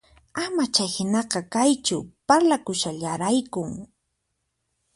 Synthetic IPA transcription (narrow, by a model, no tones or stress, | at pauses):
amat͡ʃajhɪnɑqɑkajt͡ʃʊpaɾlakʊʃaʎaɾajkʊŋ